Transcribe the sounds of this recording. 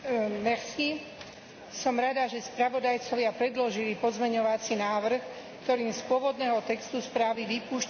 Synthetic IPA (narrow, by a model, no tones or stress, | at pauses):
nɛxsi | sɔmɾad̪aʒɛspɾaʋɔd̪ajt͡sɔʋɪapɾɛd̪lɔʒilipɔzmɛɲɔʋat͡sinaːʋr̩x | kt̪ɔɾiːmspʊɔʋɔd̪nɛːɦɔt̪ɛkst̪uspɾaːʋiʋipuːʃ